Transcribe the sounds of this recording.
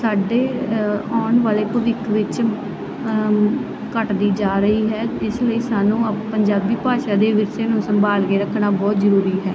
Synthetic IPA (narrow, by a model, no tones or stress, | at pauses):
saːɖeːɔːɳʋaːleːpəʋɪkʋɪt͡ʃ | kəʈd̪iːd͡ʒaːɾəɦiːɦɛːɪsləiːsaːnũːpəɲd͡ʒaːbːiːpaːʃaːd̪eːʋɪɾseːnũːsəmbaːlkeːɾəkʰnaːbɔːt̪zəɾuːɾiːɦɛː